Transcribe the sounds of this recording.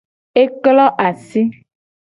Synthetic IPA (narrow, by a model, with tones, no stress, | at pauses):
e˦klɔ˦ʔa˨si˦